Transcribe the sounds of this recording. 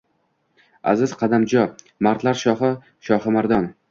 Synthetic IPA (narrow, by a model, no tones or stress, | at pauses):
a̰zɪz̥qʰɑd̪amd͡ʒɒ | maɾt̪laɾʃɒɦɪ | ʃɒhɪmaɾd̪ɒn